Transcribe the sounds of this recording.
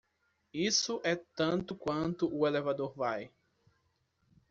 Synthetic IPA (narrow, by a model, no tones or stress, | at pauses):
isʊʔɛt̪ɐ̃nt̪ʊkwɐ̃nt̪ʊʔʊelɛvad̪oɾvaj